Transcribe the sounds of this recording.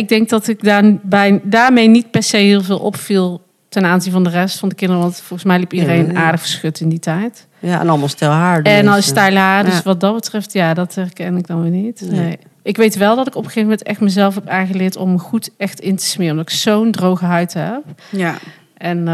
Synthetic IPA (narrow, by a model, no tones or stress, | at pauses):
ɪɡ̚dɛŋk̚dɑtɪkdaːbɛjdaːɹmejnit̚pɛɹsejɦɪːlˠvɪːlˠʔɔ̰pfilˠ | tɛnaːnzinvɑndərɛstfɑndəkɪndərəʋɑntfɔlˠɣəsmɛjlipidərejnnʔaːɹdəɣəɹsxɵtɪnditɛjt | jaɛ̰nɑlˠmɑlˠstɛlˠɦaːɹɛnstɛjlɦaːrdøsʋɑd̚dɑtbətrɛftjaːdɑtɦɛrkɛnɪɡ̚dɑnʋɪnitnej | ʔɪkʋejtʋɛlˠdɑtɪkɔpəɣejvəmɛntɛxtməzɛlˠfɦɛpaːɣəlɪːɹtɔməχutɛxtɪntə̥smɪːəmndɑtɪ̥ksowndrowɣəɦœɥtɦɛp | ʔɛn